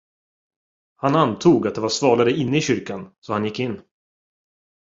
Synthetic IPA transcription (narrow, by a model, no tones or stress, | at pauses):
hanant̪ʰuːɡat̪̚d̪ɛvaɾsvɑːlaɾəɪnːəɪɕʏɾkansɔhanjɪkːɪnː